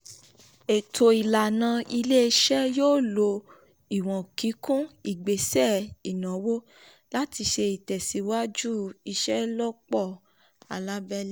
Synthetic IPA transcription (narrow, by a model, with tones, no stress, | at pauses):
e˨tʰo˨i˨la˨nã˧i˧le˦˧ʃɛ˦joː˦˨lo˧ | i˨w̃ɔ̃˨ki˨˦kũ˦i˨ɡ͡be˨sɛ˦˨i˨nã˨˦wo˦ | la˦ti˧ʃe˧i˨tɛ˨si˨˦wa˦d͡ʒu˦i˧ʃɛ˦lɔ˦k͡pɔ˦˨ | a˨la˦bɛ˦lɛ˦